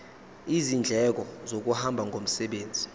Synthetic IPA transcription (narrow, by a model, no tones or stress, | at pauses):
izind͡ɮʱɛk̬ɔzok̬uhambʱaŋɡʱom̩sɛɓeːnd͡zʱi̥